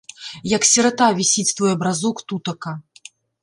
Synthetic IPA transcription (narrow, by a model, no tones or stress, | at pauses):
jɐksʲɛɾat̪avʲisʲit͡sʲst̪vɔjɐbɾazukt̪ut̪ɐkɐ